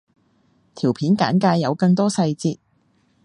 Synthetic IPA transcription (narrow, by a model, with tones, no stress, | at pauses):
t̪ʰiː˨˩wpʰiː˨˥nka̰ː˨˥nkaː˧jːɐ˨˧wkɐ˧ŋt̪ɔː˥sɐ˧jt͡siː˧t̚